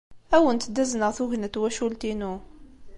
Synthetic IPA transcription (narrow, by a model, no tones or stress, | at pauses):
æwənt̪d̪æznəʁθuʝnət̪wæʃult̪inu